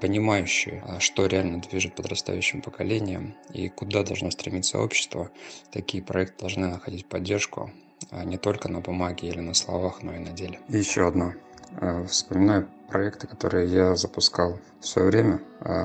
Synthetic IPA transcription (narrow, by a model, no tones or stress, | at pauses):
pənʲɪmajʉɕːɪ̰jɪʂt̪o̞ɾʲɪalʲnəd̪vʲiʐɨt̪̚pəd̪rɐst̪a̰jʉɕːɪmpəkɐlʲenʲɪjəmḭkʊd̪ad̪ɐlˠʐno̞st̪ɾʲɪmʲit̪sə̰o̞̰pɕːɪ̥st̪vət̪ɐkʲijəpɾɐ̰ɛkt̪ɨd̪ɐlˠʐnɨnəxɐdʲitʲpɐdʲːe̞rʂkʊ̰ | nʲɪt̪o̞lʲkənəbʊmaɡʲɪilʲɪnəslˠɐ̰vaxno̞inɐdʲelʲɪjɪɕːo̞ɐd̪na | fspəmʲɪnajʊpɾɐɛkt̪ɨ̥kɐ̥t̪o̞̰ɾɨjɪjazəpʊskalˠ | fsvɐ̰jovɾʲemʲə